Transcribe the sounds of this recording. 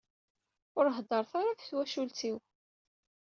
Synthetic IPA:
ʊɾɦd̪ˤəɾˤθaɾafθwæʃult̪iw

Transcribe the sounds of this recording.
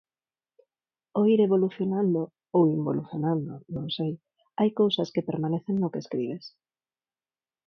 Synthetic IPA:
oiɾeβ̞oluθjonãnd̪o | owimbo̰luθjonãnd̪onõŋsej | ajkowsɐskepeɾmãneθeŋnʊkeskɾiβes

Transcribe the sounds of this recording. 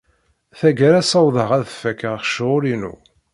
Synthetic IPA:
θæɡəɾæsɑwðˤəʁæðfækːəʁχʃʊɾinṵ

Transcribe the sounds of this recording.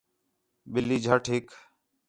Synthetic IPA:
ɓɪliːd͡ʒʱəʈʰɦɪk

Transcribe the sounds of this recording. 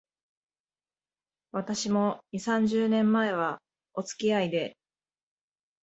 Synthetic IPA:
βat̪aɕimo̞ɲʲisãɲ̟d͡ʑɨːnẽ̞mːae̞β̞a | o̞t͡sɨ̥kʲiaid̪e̞

